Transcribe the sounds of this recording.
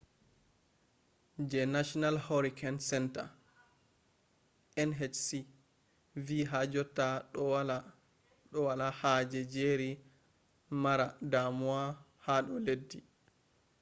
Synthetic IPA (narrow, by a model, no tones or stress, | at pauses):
d͡ʒɛnaʃɔnalhoɾikʰansɛnta̰ | ʔɛnɦɛt͡ʃsi | viːɦad͡ʒɔtːaɗɔwala | ɗɔwalahad͡ʒɛd͡ʒeɾi | maɾadamua | haɗɔledːi